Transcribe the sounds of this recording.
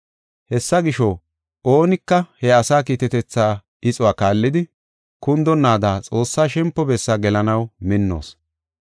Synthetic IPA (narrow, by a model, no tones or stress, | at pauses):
hɛsːɐɡɪʃo | oːnɪkːɐhɛɐsaːkiːt̪ɛt̪ɛt͡sːaː | ɪt͡sʼʊwaːkaːlːɪd̪ɪ | kʊnd̪ɔnːaːd̪aːt͡sʼo̞ːsːaːʃɛmpːɔbɛsːaːɡɛlɐnɐwmɪnːo̰ːs